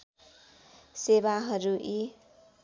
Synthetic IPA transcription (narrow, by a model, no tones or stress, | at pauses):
seβaɦʌɾuʔi